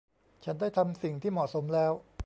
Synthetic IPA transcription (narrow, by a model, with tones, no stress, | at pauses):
t͡ɕʰa˦˥ndaː˥˩jt̪ʰa˧msi˨˩ŋt̪ʰiː˥˩mɔː˨˩t̪̚so˩˦mlɛː˦˥w